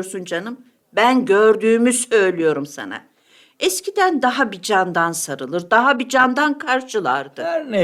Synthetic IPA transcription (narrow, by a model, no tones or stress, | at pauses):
ɾsund͡ʒanɯm | bænɟøɾd̪yːmyzø̞jlʲijo̞ɾumsa̰na̰ | ɛscʰid̪ænd̪aɦabid͡ʒand̪ansaɾɯlˠɯɾd̪aɦabid͡ʒand̪ankʰaɾʃɯlˠaɾd̪ɯn